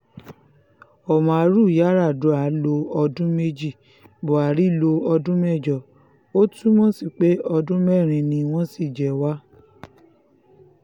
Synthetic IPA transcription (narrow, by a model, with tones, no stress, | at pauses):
ɔ˨mɔ̃˨a˨˦ɾu˦˨ja˦ɾa˦˨du˨˦a˨˦lo˧ɔ˧dũ˦me˦d͡ʒi˦˨ | bo˨a˨ɾi˦lo˧ɔ˧dũ˦mɛ˦˨d͡ʒɔ˨ | o˦tũ˦mɔ̃˦si˦˨k͡pe˨˦ɔ˧dũ˦mɛ˦˨ɾ̃ĩ˧nĩ˧w̃ɔ̃˦si˦˨d͡ʒɛ˨˦wa˦